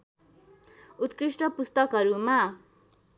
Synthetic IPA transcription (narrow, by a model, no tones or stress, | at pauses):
ut̪kɾisʈʌpust̪ʌkɦʌɾuma